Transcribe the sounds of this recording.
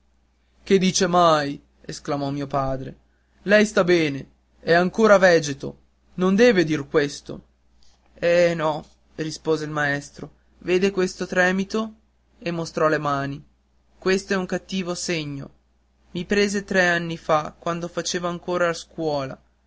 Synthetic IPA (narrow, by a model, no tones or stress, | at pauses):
k̟ed̪ːiːt͡ʃemaj | esklamɔmːiːopaːd̪ɾe | lɛjst̪abɛːne | ɛaŋkoːɾavɛd͡ʒet̪o̰ | nond̪ɛːved̪irkwest̪o̰ | ɛnɔ | rispoːzeilmaɛst̪ɾo | veːd̪ekwest̪ot̪ɾɛːmit̪o | emːost̪ɾɔlemaːni | kwest̪oɛuŋkat̪ːiːvoseɲːo̰ | mipɾeːzet̪ɾɛanːifakwand̪ofat͡ʃeːvoaŋkoːɾalaskwɔːla̰